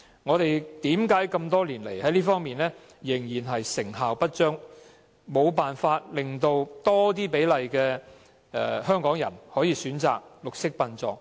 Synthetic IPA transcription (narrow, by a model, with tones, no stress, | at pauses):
ŋɔː˨˧t̪e˨jt̪iː˨˥mkaː˨˥jkɐ˧mt̪ɔː˥liː˨˩nle˨˩jhɐ˨˥jliː˥fɔː˥ŋmiː˨nlɛː˥ | jɪ˨˩ŋjiː˨˩nɦɐ˨jsɪ˨˩ŋɦaː˨wpɐ˥t̚t͡ʃœː˥ŋ | mo˨˧wpaː˨nfaː˧t̚lɪ˨ŋt̪o˧wt̪ɔː˥t̪̬iː˥pe˨˥jlɐ˨jkɛː˧ | ɛ˨hœː˥ŋkɔː˨˥ŋjɐ̰˨˩nhɔː˨˥jiː˨˧syː˨˥nt͡sa̰ː˨k̚lʊ˨k̚sɪ˥k̚pɐ˧nt͡sɔː˨ŋ̚